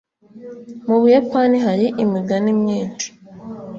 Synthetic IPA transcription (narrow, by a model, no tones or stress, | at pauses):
muβujapaniɦaɾiʔimiɡanimɲiːnt͡ʃi̥